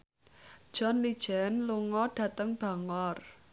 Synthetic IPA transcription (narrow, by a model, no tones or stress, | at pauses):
d̥ʒ̥ɔ̤nlid̥ʒ̥ɛnluŋɔɖ̥ä̤t̪əŋb̥a̤ŋɔr